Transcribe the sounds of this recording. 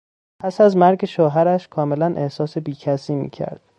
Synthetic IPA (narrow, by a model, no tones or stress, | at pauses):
pʰæsæzmæɾɟe̞ʃoːɦæɾæʃkʰɒːme̞lænʔe̞hsɒːse̞biːcʰæsiːmḭːcʰæ̰ɾd̪̥